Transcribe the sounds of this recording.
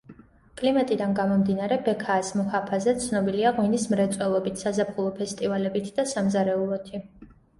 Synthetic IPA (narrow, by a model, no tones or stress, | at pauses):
kʼlimat̪ʼid̪anɡamɔmd̪inaɾɛbɛkʰaːsmuhapʰazɛt̪sʰnɔbiliaʁwinismɾɛt̪sʼwɛlˠɔbit̪ʰsazapχulˠɔpʰɛst̪ʼivalɛbit̪ʰd̪asamzaɾɛulˠɔt̪ʰi